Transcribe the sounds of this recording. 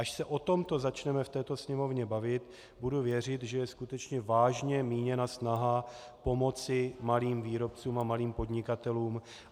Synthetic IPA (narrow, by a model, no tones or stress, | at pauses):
ʔaʃsɛʔo̞t̪o̞mt̪o̞zat͡ʃnɛmɛft̪ɛːt̪o̞sɲɛmo̞vɲɛbavɪt̪ | buduvjɛr̝ɪt̪ʒɛjɛskut̪ɛt͡ʃɲɛvaːʒɲɛmiːɲɛnasnaɦa | po̞mo̞t͡sɪmaliːmviːɾo̞p̚t͡suːmamaliːmpo̞d̪ɲɪkat̪ɛluːm